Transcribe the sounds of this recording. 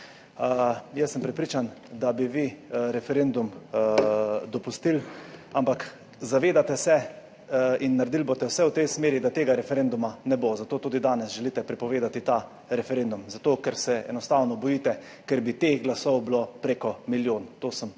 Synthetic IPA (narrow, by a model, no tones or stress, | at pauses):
jɛsːəmpɾɛpɾiːt͡ʃand̪abiʋiɾɛfɛɾend̪um | d̪ɔpust̪ilampak | zaʋeːd̪at̪ɛsɛ | inːaɾd̪iːlbot̪ɛwsɛwt̪ɛjsmeːɾid̪at̪eːɡaɾɛfɛɾend̪umanɛbozat̪oːt̪uːd̪id̪aːnɛsʒɛliːt̪ɛpɾɛpɔʋeːd̪at̪it̪a | ɾɛfɛɾeːnd̪umzat̪oːkɛɾsɛɛ̰nɔst̪awnɔbɔjiːt̪ɛ | kɛɾbit̪exɡlasɔwblopɾeːkɔmiljoːnt̪oːsəm